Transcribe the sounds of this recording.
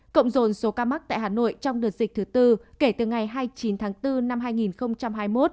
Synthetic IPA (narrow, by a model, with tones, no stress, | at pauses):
kə̰˧˨wŋ͡mzo˨˩nso˨˦kaː˧ma˦˥k̚t̪a̰ː˧˨jɦaː˨˩no̰˧˨jt͡ɕɔ˧wŋ͡mɗɨ˨˩ət̚zï˨˩k̟̚t̪ʰɨ˨˦t̪ɨ˧ke˧˩t̪ɨ˨˩ŋa˨˩jɦaː˧jt͡ɕi˨˦nt̪ʰaː˨˦ŋt̪ɨ˧na˧mɦaː˧jŋi˨˩nxə˧wŋ͡mt͡ɕa˧mɦaː˧jmo˦˥t̚